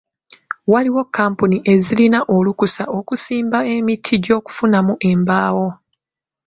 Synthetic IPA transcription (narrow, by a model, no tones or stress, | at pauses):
waliwo̞kʰːaːmpuniʔe̞zilinaʔo̞lukusa̰ʔo̞kusiːmbae̞mitʰːiɟo̞ːku̥funamuʔe̞mbaːwo̞